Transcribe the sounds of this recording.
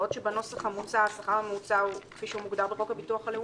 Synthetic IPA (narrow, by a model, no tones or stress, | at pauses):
ot̪ʃebano̞saχamut͡saasaχaʁamut͡saukfiʃeumuɡd̪aʁbeʁokhabituaχale